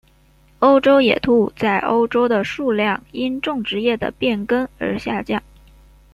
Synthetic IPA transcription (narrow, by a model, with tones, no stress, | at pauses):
o˥ʊʈ͡ʂo˥ʊjɛ̰˨˩t̪ʰu˥˩t͡sa˥˩ɪʔo˥ʊʈ͡ʂo˥ʊd̪ə˨ʂu˥˧ljɑ˥˩ŋi˥nʈ͡ʂʊ˥˩ŋʈ͡ʂɻ̩˧˥jɛ˥˩d̪ə̰˩pjɛ˥˩nkə˥nə̰˞˧˥ɕja˥˧t͡ɕjɑ˥˩ŋ